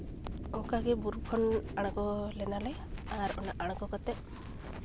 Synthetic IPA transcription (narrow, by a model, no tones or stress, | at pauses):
ɔŋkaɡebuɾukʰɔnaɽ̃ɔkɔlenale | aɾɔ̰naʔaɽ̃ɔkɔkɔt̪e